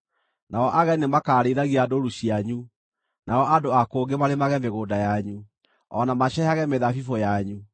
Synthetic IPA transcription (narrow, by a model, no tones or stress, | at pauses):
naɔʔaɣɛnemakaːɾeɾaɣiadoɾuɕiaɲu | naɔʔadoakoːɡemaɾemaɣɛmeɣodajaɲu | ɔnamaɕɛhaɣɛmeðafifɔjaɲu